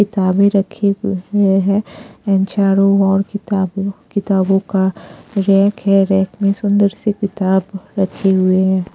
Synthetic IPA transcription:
kɪt̪aːbẽɾɐkʰeeɦɛɛnt͡ʃaːɾõɔːɾɪakɪt̪aːbõkaɾɛːkɦɛɾɛːkmẽsʊ̃nd̪əɾsekɪt̪aːbɾɐkʰeɦʊeɦɛː

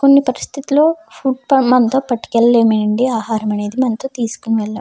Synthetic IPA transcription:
ko̞nːipɐɾist̪ʰit̪ilo̞ːpʰuːʈ̚pɐmɐnt̪oːpɐʈːi̥kelːeːmeɐɳɖiaːɦaːɾɐmɐne̞ːd̪imɐnt̪oːt̪iːsu̥kuniʋɛɭːa̰

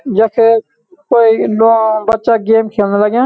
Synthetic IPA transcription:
d͡ʒəkʰe | koːiloːbət̪ːt͡ʃaɡeːmkʰeːlnaləɡjãː

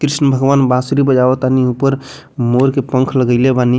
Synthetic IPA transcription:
kɾisnəbʱəɡʋanbãsɾibəd͡ʒaɔt̪aniupəɾ | moɾkepə̃ŋkʰləɡəjlebani

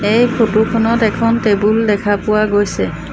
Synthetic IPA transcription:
ejkʰotukʰɔnɔtɛkʰɔntebuldɛkʰapʊwaɡojsɛ

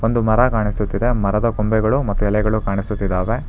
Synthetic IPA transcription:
o̞nd̪umɐɾɐkaːɳisut̪ːid̪emɐɾɐd̪ɐkombɛɡɐɭumɐt̪ːuɛlɛɡɐɭukaːɳisut̪ːid̪ːaːʋe

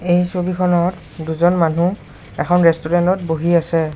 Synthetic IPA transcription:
ejsobikʰɔnɔt | duzɔnmanu | ɛkʰɔnɹɛstuɹɛntɔtboɦiasɛ

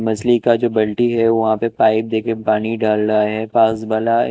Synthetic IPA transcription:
mɐslikad͡ʒoːbɐlʈiɦɛʋɐɦãpepaːɪp̚d̪eːkepaːniɖaːlɾaːeɦɛ̃paːsbaːla

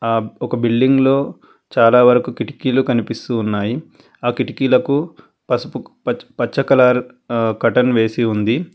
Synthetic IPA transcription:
aːɔkɐbilɖiŋɡlo̞ː | t͡ʃaːlaːʋɐɾɐkukiʈi̥kiːlukɐnipist̪uːnːaːji | aːkiʈikiːlɐku | pɐ | pɐt͡ʃːɐkɐlaːɾ | kɐʈɐnʋe̞ːsiund̪i

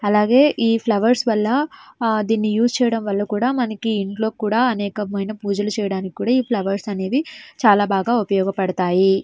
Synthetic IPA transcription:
ɐlaːɡe̞ːʔiːpʰlɐʋɐɾsʋɐlːɐd̪iːnːijuːst͡ʃɛːjɐɽɐmʋɐlːɐkuːɽaːmɐnɐkiiɳʈlo̞ːkuːɽaːɐnɛːkɐmɐjnɐpuːd͡ʒɐlut͡ʃɛːjɐɽaːnikʲi̥kuːɽaːiːpʰlɐʋɐɾsɐne̞ːd̪it͡ʃaːlaːbaːɡaːupɐjɔːɡɐpɐɽɐt̪aːji

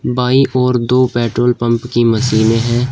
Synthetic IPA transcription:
baːiʔɔːɾd̪oːpɛːʈɾoːlpɐ̃mpkimɐsiːmẽɦɛ̃ː

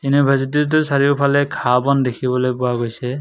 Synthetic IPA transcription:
inubʱazitit̬ʊsaɹiʊpʰalɛkʰabɔndekʰibɔlojpʊwaɡojsɛ

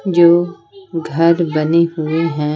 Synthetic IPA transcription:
d͡ʒoː | ɡʱɐɾbɐniɦʊeɦɛ̃ː

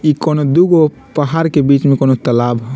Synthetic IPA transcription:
ikonod̪uɡo | pəɦaɾkebiːt͡ʃmẽkoːnot̪əlaːb

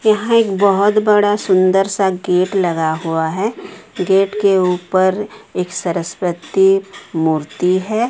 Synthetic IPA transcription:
jɐɦãeːkbɐɦʊt̪bɐɽasʊ̃nd̪əɾsaɡeːʈlɐɡaɦuaɦɛɡeːʈkeuːpəɾeːksɐɾəspɾət̪imuːɾt̪iɦɛː

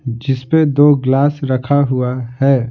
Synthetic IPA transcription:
d͡ʒɪsped̪oɡlaːsɾəkʰaɦuahɛː

